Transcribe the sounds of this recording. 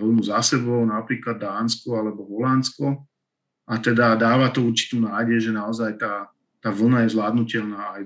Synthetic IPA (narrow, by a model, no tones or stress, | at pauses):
ʋl̩nuzasɛbɔʊnapɾiːklad̪̚ːaːnskɔalɛbɔɦɔlanskɔ | at̪ɛd̪ad̪aːʋat̪ɔuɾt͡ʃi̥t̪uːnaːɟɛjʒɛnaɔzajt̪aː | t̪aːʋl̩ˠnajɛzlaːd̪nucɛʎnaːaj